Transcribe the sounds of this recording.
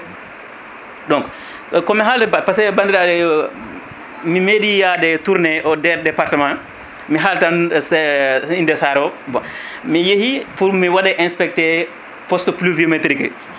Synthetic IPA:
ɗɔŋk | kɔmiɦaltɛpasɛɛbandiɾadɛ | mimedijadɛtuɾnɛʔɔdɛɾdɛpaɾtɛmã | miɦaltansindɛsaɾɔbɔmijehipuɾmiwaɗɛʔɛnspɛk̚tɛ | pɔstpluvimetɾik

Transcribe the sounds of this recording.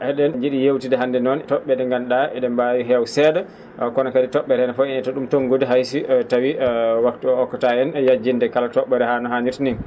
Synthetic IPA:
ʔɛɗɛnd͡ʒiɗijewtidɛɦandɛnɔntɔɓːɛdɛŋɡanɗaɛɗɛmbawiɦɛwsɛːdɛ | kɔnakaditɔɓːɛɾɛnɛfɔɛnɛtoɗumtɔnɡodiɦajsitawiwaktuɔɔkːataɛnjad͡ʒːindɛkalatɔɓːɛɾɛhanɔɦaniɾtnin

